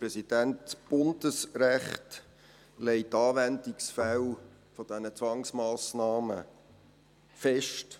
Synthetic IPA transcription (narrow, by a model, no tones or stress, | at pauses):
pɾɛsid̥æntb̥ʊnd̥əsɾæχt | lɛɪtɑːʋændiksfæl | fɔd̥ɛnət͡sʋɑŋsmɑːsnɑːmə̰ | fɛʃt